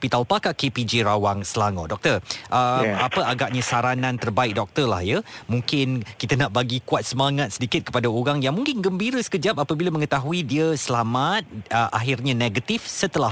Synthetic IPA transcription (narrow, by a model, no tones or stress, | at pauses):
pit̪alpakaʔkepid͡ʒeɾawaŋsəlaŋɔ̰ʔdɔk̚t̪ərʔəapəaɡaʔ̚ɲãsaɾanãnt̪ərbaɪk̚dɔk̚t̪ərla̰hjəmuŋkɪnkit̪ənaʔbaɡikuat̪̚səmaŋat̪̚sədikɪt̪̚kə̥padaoɾaŋjaŋmuŋkɪnɡəmbiɾəsə̥kəd͡ʒap̚apəbilamə̃ŋət̪aɦuidiəsəlamat̪̚əʔa̰ɦɪrɲãneɡət̪ifsət̪əla